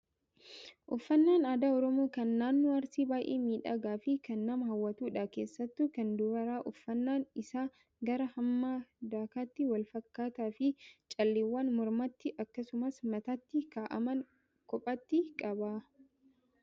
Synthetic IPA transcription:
ʔʊfːɐnːaːnaːd̪aːɔɾɔmoːkɐnːaːnːɔɐɾsiːbaːʔḛːmiːᶑa̰ːɡaːfɪkɐnːɐmɐɦɐwːɐt̪uːᶑaːke̞ːsːɐt̪ːukɐnd̪ʊɾɐɾaːʔʊfːɐnːaːnɪsaː | ɡɐɾɐhɐmːaːd̪aːkaːt̪ːɪwɐlfɐkːaːt̪aːfɪt͡ʃʼɐlːeːwːaːnmɔɾmɐt̪ːɪʔɐkːɐsʊmɐsmɐt̪at̪ːɪkaːʔɐ̰mɐn | kɔpʼɐt̪ːɪkʼɐbaː

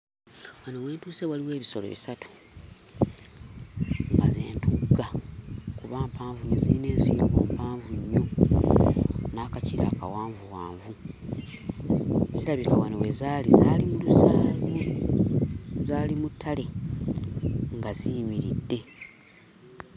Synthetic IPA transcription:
wanowe̞ːntuːse̞waliwe̞ːβiso̞lo̞̰βisatu̥ | ŋɡazeːntuɡakuβaːmpaːɱvuɲːoziine̞ːnsḭːɾɡo̰ːmpaːɱvuɲːo | naːkaciɾa̰ːka̰waːɱvuwaːɱvu | zilaβikawanowe̞zaːlḭzaːlimulusaːlo | zaːlimutʰːale̞ | ŋɡazijimiɾḭdːe̞

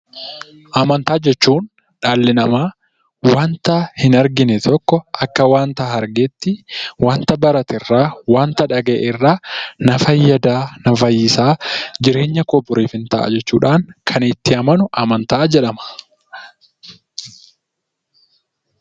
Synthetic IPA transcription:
ʔɐmɐnt̪aːd͡ʒɛt͡ʃːuːn | ᶑaːlːɪnɐmaː | waːnt̪aːhɪnɐɾɡɪnɛt̪ʰɔkːɔʔɐkːɐwaːnt̪aːhɐɾɡeːt̪ːɪwaːnt̪ɐbɐɾɐt̪ɪrːaːwaːnt̪ɐᶑɐɡḛːʔɪrːaːnɐfɐjːɐd̪aːnɐfɐjːɪsaːd͡ʒɪɾe̞ːɲːɐkɔbʊɾeːfɪnt̪ɐʔa̰d͡ʒɛt͡ʃːuːᶑaːŋkʰɐnɪt̪ːɪɐmɐnʊʔɐmɐnt̪aːd͡ʒɛᶑɐmɐ̥

